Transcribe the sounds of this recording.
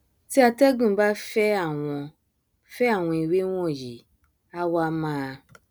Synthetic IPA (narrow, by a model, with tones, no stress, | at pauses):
ti˦a˧tɛ˦ɡũ˦˨˦ba˦fɛ˦a˦˨w̃ɔ̃˧ | fɛ˦a˦˨w̃ɔ̃˧i˨we˦w̃ɔ̃˦˨ji˨ | a˦wa˦mãː˦˧